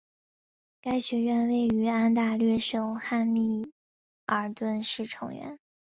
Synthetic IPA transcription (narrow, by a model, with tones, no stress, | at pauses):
ka˥ɪɕɥɛ˧˥ɥɛ˥˧nwe˥˩ɪy˧˥a˥nt̪a˥˧lɥɛ˥˩ʂɤ˥˩ʊxa˥˧nmi˥˩ | ə˞˨˩t̪wə˥˧nʂɻ̩˥˩ʈ͡ʂʰɤ̰˧˥ŋɥɛ̰˧˥n